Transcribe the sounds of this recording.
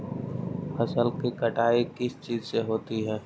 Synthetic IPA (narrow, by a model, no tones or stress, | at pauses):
pɐsəlkikɐʈaːikɪst͡ʃiːzseɦoːt̪iɦɛː